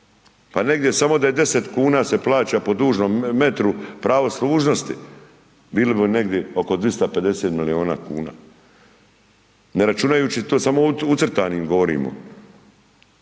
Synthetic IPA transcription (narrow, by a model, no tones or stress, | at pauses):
pane̞ɡd̪je̞samo̞d̪ajed̪e̞se̞t̪kuːnaːse̞plaːt͡ɕapo̞d̪uːʒnomːe̞t̪ɾupɾaʋo̞sluːʒno̞st̪ḭ | biːlibione̞ɡd̪je̞o̞ko̞d̪ʋist̪ape̞d̪e̞set̪milio̞ːna̰ːkṵːna̰ː | ne̞ɾat͡ʃunajuːt͡ɕit̪oːsamo̞ut̪srt̪aːniːmɡo̞ʋoɾḭːmo̰